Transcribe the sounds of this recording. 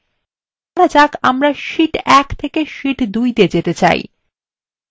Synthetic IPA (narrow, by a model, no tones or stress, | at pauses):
kaɾad͡ʑakamɾaʃiʈɛkt̪ʰekeʃiʈd̪ujd̪ied͡ʑet̪et͡ɕa̰j̰